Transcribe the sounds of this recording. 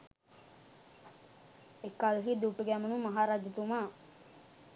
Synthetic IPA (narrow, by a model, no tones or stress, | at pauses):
ekːalɦid̪uʈːuɡæmənumaɦaːɾad͡ʒət̪umaː